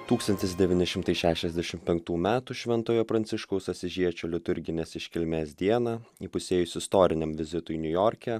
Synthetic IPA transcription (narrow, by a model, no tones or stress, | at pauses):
t̪uːkst̪ɐnʲt̪ʲɪsd̪ʲɛʋʲiːnʲɪʃʲɪmt̪ɐɪʃʲæːʃʲɛzʲd̪ʲɛʃʲɪmpʲɛŋkt̪uːmʲæːt̪uːʃʲʋʲɛnt̪oːjoːpɾɐnʲt̪sʲɪʃkɐʊsɐsʲɪʒʲiɛt͡ʃʲoːlʲɪt̪ʊɾʲɡʲɪnʲeːsɪʃʲkʲɪlʲmʲeːsd̪ʲiɛnɑːipʊsʲeːjʊsʲɪst̪oːɾʲɪnʲɛmʋʲɪzʲɪt̪ʊjnʲʊjɔːɾʲkʲæ